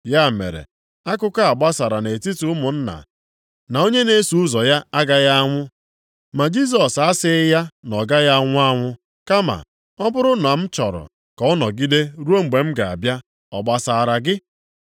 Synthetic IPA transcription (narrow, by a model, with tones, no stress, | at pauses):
ja˦mḛ˨ɾḛ˨ | a˦kʊ˦ka˦a˨ɡ͡ba˦sa˨ɾa˨ne˨ti˦tu˨˦ʊ˦mʊ˨n̩˦na̰˨ | na˨o˦ɲe˦ne˦su˨ʊ˦zɔ˨ja˦a˦ɡa˦ja˦ŋʷʊ˦ | ma˨d͡ʒi˦s̬ɔ˨sa˦sɪ˦ja˦nɔ˨ɡa˦ja˦ŋʷʊ˦a˦ŋʷʊ˦ | ka˦ma̰˨ | ɔ˦bʊ˦ɾʊ˦n˨a˨m̩˦t͡ʃɔ˨ɾʊ̰˨ | kɔ˨ɔ˦nɔ˨ɡi˦de˦ɾu˦o˦ŋ͡m̩˨ɡ͡be˨m̩˦ɡa˨a̰˨bja˦ | ɔ˨ɡ͡ba˦sa˦˨ɾa˦ɡɪ˦